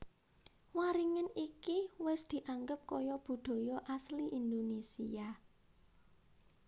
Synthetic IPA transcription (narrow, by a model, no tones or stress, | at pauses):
waɾiŋənikiwɪsd̪̥i̤ʔaŋɡəp̚kɔjɔb̥ṳd̪̥o̤jɔʔasliʔind̪onesia